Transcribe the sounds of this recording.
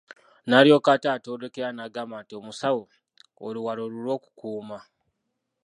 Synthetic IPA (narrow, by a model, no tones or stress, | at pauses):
naːljo̞ːkataːtoːdekeɾanaɡamaːntiomusawo | oluwaɾoɾulwo̞ːku̥kuːma